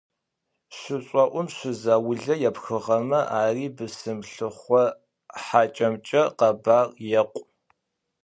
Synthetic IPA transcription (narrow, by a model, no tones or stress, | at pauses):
ɕʷʊɕʼɔʔʷʊmɕʷɪzaːwʊɮɐjɛpxɨʁɐmɐʔaːriːbɨsɨmɬɨχʷɔ | ħaːt͡ʃʼɐmt͡ʃʼɐqɐbaːrjɛqʷʼ